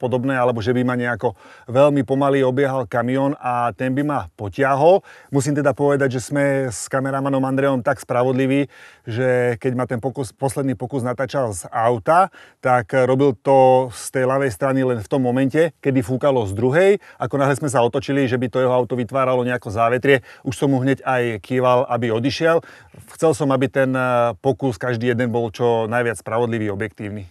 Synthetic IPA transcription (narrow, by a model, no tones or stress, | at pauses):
pɔd̪ɔbnɛːalɛbɔʒɛbimaɲɛakɔʋɛlmipɔmaliːɔbɪjɛɦalkamiɔnat̪ɛnbimapɔcɪaɦɔlmus̬iːmt̪ɛd̪apɔʋɛd̪aɟʒɛsmɛskamɛɾamanɔmand̪ɾɛjɔmt̪akspɾaʋɔd̪liʋiːʒɛkɛɟmat̪ɛnpɔkuspɔslɛd̪niːpɔkuznat̪aːt͡ʃalzaʊt̪at̪akɾɔbilt̪ɔst̪ɛjlaʋɛjst̪ɾanilɛnft̪ɔmːɔmɛncɛkɛd̪ifuːkalɔzd̪ɾuɦɛjakɔnaɦlɛsmɛs̬aɔt̪ɔt͡ʃiliʒɛbit̪ɔjɛɦɔaʊt̪ɔʋit̪ʋaːɾalɔɲɛakɔzaːʋɛt̪ɾɪɛuʃsɔmːuɦɲɛɟajkʰiːʋalʔabiɔd̪iʃɪɛlxt͡sɛlsɔmabit̪ɛnpɔkuskaʒd̪iːjɛd̪ɛnbɔlt͡ʃɔnajʋɪat͡sspɾaʋɔd̪liʋiːɔbjɛkt̪iːʊni